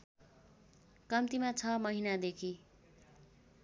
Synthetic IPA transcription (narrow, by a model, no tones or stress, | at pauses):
kʌmt̪imat͡sʰʌmʌɦinad̪ekʰi